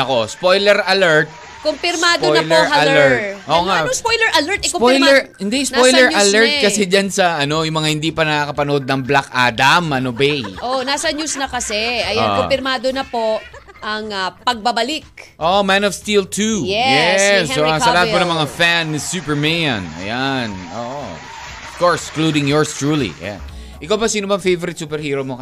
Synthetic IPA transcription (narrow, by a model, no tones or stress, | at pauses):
ɐko̞spojlɛɾɐlɛɹt̪̚ | kompɪɾmaːd̪poojlɛɹɐlɛɹt̚ʔoʔŋaoŋspojlɛɹʔɐlɛɹt̪ɪskopoɪjlɛɹhɪnd̪ɛspojlɛɹʔɐlɛɹt̪̚kɐsɛd͡ʒansɐʔɐno̞jʊŋmɐŋahɪ̃nd̪ipɐnɐkakɐpɐnʊʔod̪̚nɐŋblaka̰d̪amʔɐnobɛjʔonaːsɐɲjusnɐkɐsɛʔɐjo̰kopɪɾmaːd̪onɐpoʔ | ʔɐŋɐpɐɡ̚bɐbɐlɪk̚ʔoʔomanɔvst̪ilt̪ʰujɛjɛsssɐlɐhat̪̚pɐnɐŋmɐŋafansupɛɹmejɐ̰̃nɐ̰jano̰ːʔo | ofkoɹsklod̪ɪŋjɔɹst̪ɹuːlḭɐ̰ja̰n | ʔɪkawbɐsiːnʊbɐŋfejvoɾɪt̪suːpɛɾhiːɾomo